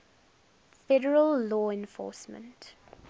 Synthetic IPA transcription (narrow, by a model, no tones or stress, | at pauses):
fɛɾəɹəlːɔːɛ̃nfɔ̰ːˑsmə̰̃nt